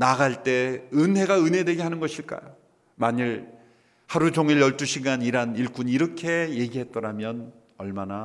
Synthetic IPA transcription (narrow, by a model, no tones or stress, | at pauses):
naɡaɭt͈e̞ɯnɦe̞ɡaɯnɦe̞dweɡeɦanɯnɡʌɕʰiɭk͈a̰jo | maɲɯɭ | haɾut͡ɕoŋiɭjʌɭt͈uɕʰiɡaniɾaniɭk͈uniɾʌkʰe̞jeɡiɦe̞t̚t͈ʌɾamjʌn | ʌɭmana